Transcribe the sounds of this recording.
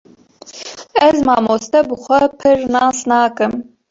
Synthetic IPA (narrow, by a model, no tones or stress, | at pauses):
ɛzmɑːmoːst̪ɛbɨxʷɛpʰɨɾnɑːsnɑːkɨm